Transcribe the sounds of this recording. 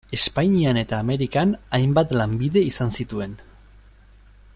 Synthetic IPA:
e̞spaɲiane̞t̪aːme̞ɾikanajmbat̪lambiðe̞isansit̪ue̞n

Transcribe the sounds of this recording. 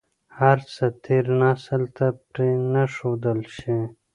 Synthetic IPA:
hɐɾsɐt̪ʰiɾnaːsəlt̪ɐpɾinɐʂoːd̪əlɕi

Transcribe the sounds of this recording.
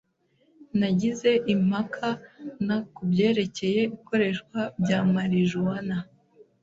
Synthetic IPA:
naɟize̞ʔim̥hakʰanakubɟe̞ːɾe̞ce̞je̞iko̞ɾe̞ʃkwabɟaːmaɾiʒuwana

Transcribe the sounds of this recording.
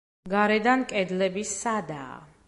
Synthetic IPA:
ɡaɾɛd̪ankʼɛd̪lɛbisːad̪a̰ː

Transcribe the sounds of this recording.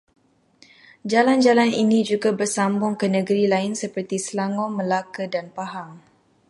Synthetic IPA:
d͡ʒaland͡ʒalaninid͡ʒuɡabərsambʊŋkənəɡəɾilaɪnsəpərt̪isəlaŋɔməlakədanpaɦaŋ

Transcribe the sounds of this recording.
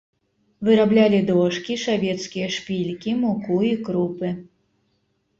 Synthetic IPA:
vɨɾablʲalʲid̪ɔʂkʲiʂavʲɛt̪skʲijɐʂpʲilʲkʲimukuikɾupɨ

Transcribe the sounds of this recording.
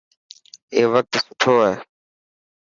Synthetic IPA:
eːʋək̚t̪sʊʈʰoːaɦeː

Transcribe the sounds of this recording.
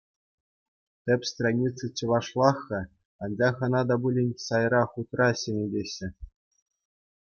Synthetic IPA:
t̪ʲɘ̆pʲst̪ranʲit͡sɨt͡ɕɤ̆ʋɑʂlˠɑxːɑ | ɑnʲd͡ʑɑχɤ̆nɑd̪ɑbulʲenʲsɑjrɑχut̪rɑɕenʲedʲeɕːɘ̆

